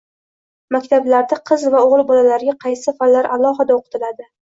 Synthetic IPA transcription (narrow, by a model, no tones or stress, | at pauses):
makʲt̪ʰablaɾd̪ɪqʰɨzvaoʁɨlˠbɒlalaɾɪɡʲaqʰɑjsɪfallːaɾalˠɒɦɨd̪aoqʰɨ̥t̪ɪlad̪ɪ